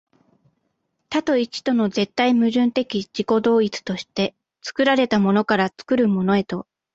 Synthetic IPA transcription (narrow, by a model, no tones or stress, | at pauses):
t̪at̪o̞it͡ɕi̥t̪o̞no̞ze̞t̪ːaimɯ̟ʑɨ̃nt̪e̞kʲid͡ʑiko̞d̪o̞ːit͡sɨ̥t̪o̞ɕi̥t̪e̞ | t͡sɨ̥kɯ̟ɾaɾe̞t̪amo̞no̞kaɾat͡sɨ̥kɯ̟ɾɯ̟mo̞no̞e̞t̪o̞